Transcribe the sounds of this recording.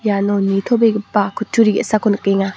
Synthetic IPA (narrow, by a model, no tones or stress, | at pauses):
janonit̪ʰobeɡipːakʰutʰːuɾiɡisakʰonukeŋa